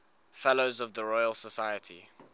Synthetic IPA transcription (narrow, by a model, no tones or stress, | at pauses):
fɛloʊzəvðəɹɔɪəlˠsəsaɪətʰḭ